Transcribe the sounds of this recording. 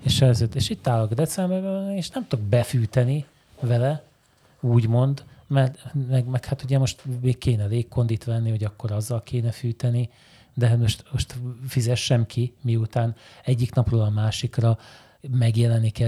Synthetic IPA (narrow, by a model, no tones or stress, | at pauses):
eʃɛzøt̪ːeʃit̪ːaːlokd̪ɛt̪sɛmbɛrbɛɛeːʃnɛmt̪oɡ̚bɛfyːt̪ɛni | vɛlɛ | uːɟmo̞nd̪mɛrt̪mɛɡmɛkhat̪uɟɛmo̞ʃt̪meːkkeːnɛleːkːo̞nd̪it̪ʋɛnːiho̞ɟɒkːo̞ɾɒzːɒlkʰeːnɛfyːt̪ɛni | d̪ɛɦat̪mo̞ʃt̪mo̞ʃt̪fizɛʃːɛmkʰimiut̪aːnɛɟːiknɒproːlɒmaːʃikrɒ | mɛɡjɛlɛnːikɛ